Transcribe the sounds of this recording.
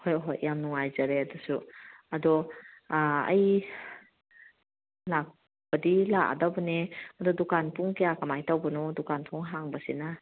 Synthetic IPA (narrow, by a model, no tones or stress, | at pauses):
hojɦojːamnuŋajzaɾeɐdɔsuadɔ | ɐ̰j | lak̚ | b̥ɐdilaka̰dawbɐneɐdɔdukanpʰuŋkejakɐmajtawbɐnɔdukanpʰuŋɦaŋbɐsina